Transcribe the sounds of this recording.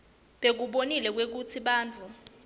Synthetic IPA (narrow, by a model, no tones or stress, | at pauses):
ɓek̬uɓonilɛk̬wek̬ut͡sʰiɓaːnd͡ɮʱu